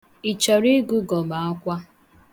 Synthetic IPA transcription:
i˨t͡ʃɔ˨ɾi˦ɡu˦ɡɔ˨ma˨ɔ˦kʷa˦

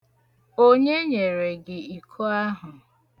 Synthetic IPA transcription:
o˦ɲe˦ɲe˨ɾe˨ɡɪ˨i˨kʰo˦a˦ɦʊ˨

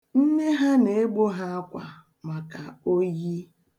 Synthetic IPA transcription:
n̩˦ne˦ɦa˦ne˨e˦ɡ͡bo˦ɦa˦a˦kʷa̰˨ | ma˨ka˨o˦ji˦

